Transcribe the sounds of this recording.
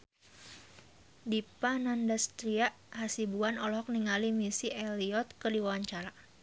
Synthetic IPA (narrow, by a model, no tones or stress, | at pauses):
dipanandast̪ɾiaʔhasibuanɔlɔɦɔk̚niŋalimisiʔɛliɔt̪̚kədiwawaɲt͡ʃaɾa